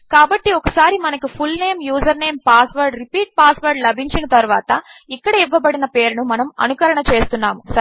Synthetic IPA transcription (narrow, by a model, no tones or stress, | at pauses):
kaːbɐʈːiɔkɐsaːɾimɐnɐkupʰulne̞ːmjuːzɐɾne̞ːmpaːsʋɐɾɖɾipiːʈ̚paːsʋɐɾɖlɐbʱiɲt͡ʃinɐt̪ɐɾuʋaːt̪ɐikːɐɽɐiʋːɐbɐɽinɐpe̞ːɾunumɐnɐmɐ̰nukɐɾɐɳɐt͡ʃe̞ːst̪unːaːmusɐ